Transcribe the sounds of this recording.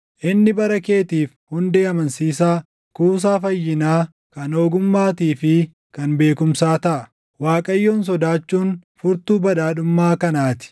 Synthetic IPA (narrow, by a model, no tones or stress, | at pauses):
ʔɪnːɪbɐɾɐke̞ːt̪iːfhʊnd̪eːɐmɐnsiːsaː | kuːs̬aːfɐjːɪnaː | kɐnoːɡʊmːaːt̪iːfɪ | kɐnbe̞ːkʊmsaːt̪ɐʔɐ | waːkʼɐjːoːns̬ɔd̪aːt͡ʃːuːnfʊɾt̪uːbɐᶑaːᶑʊmːaːkɐnaːt̪ɪ̥